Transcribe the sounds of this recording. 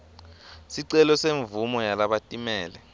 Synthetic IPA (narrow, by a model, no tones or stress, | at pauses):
siǀɛlɔseɱvumɔjalaɓatʼimɛːlɛ